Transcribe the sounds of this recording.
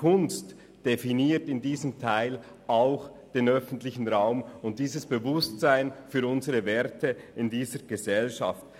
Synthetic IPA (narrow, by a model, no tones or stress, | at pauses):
kʊnst | d̥efiniːtɪndiːzəmtʰaɪl | aʊx | d̥eːnœfn̩tlɪçn̩ʁaʊmʊnt̚d̥iːzəsb̥əvʊstt͡saɪnfyːɾʊnzəʁəvɛɾtʰə | ɪndiːzəɡ̥əzɛlʃa̰ft